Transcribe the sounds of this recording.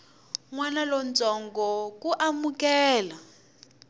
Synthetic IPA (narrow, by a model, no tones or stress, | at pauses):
ŋwanalɔnt͡sɔŋɡɔkuʔamukɛːla